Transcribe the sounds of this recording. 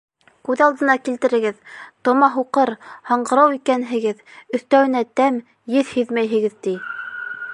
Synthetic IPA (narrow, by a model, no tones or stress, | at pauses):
kʉðɑlˠd̪ɤ̆nɑkilt̪ɘ̆ɾɘ̆ɡɘðt̪ŏmɑɦuqɤɾhɑ̆ɴɢɤ̆ɾɑwikænɦɘ̆ɡɘðɵ̆θt̪æwɘ̆næt̪æm | jɘðhɵðmæjɦɘ̆ɡɘðt̪i